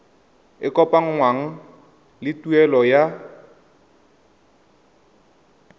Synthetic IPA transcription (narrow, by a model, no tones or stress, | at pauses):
ɪkʼɔpʼaŋ̩ŋwaŋ̩ | lɪtʼuɛlɔja